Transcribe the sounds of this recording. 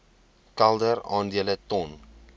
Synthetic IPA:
kɛlˠdəɾɑːndiələtɔn

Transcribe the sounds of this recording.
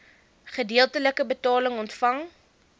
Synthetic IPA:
χədiəlˠtələkəbətɑːləŋɔntfɐŋ

